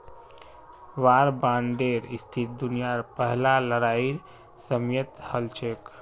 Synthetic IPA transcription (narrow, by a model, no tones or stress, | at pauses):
ʋaɾbãɳɖeɾist̪ʰit̪̚d̪unijaɾpəɦlaləɾaiɾ | səmjət̪həlt͡ʃʰek